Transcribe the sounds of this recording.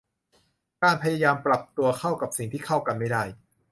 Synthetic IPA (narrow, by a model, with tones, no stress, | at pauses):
kaː˧npʰa˧jaː˧jaː˧mpɾa˨˩p̚t̪u˧ɐkʰa˥˩wka˨˩p̚si˨˩ŋt̪ʰiː˥˩kʰa˥˩wka˧nma˥˩jda˥˩j